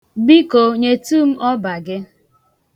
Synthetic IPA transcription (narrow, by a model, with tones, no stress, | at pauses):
bi˦ko˨ɲe˨tu˦m̩˦ʔɔ˦ba˨ɡɪ˦